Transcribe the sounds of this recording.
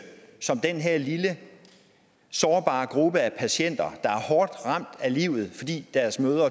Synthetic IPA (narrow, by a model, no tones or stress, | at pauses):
sɒ̽md̥enɦeɐlilə | sɒːb̥ɑ̰̈ːɡ̥ʁub̥əæpʰæɕen̰d̥ɐd̥ɑ̈æɐhɒːd̥ʁɑ̈m̰d̥æliʊð̞̩ˠfɒ̽d̥ḭːd̥æɐsmøːðˠɐ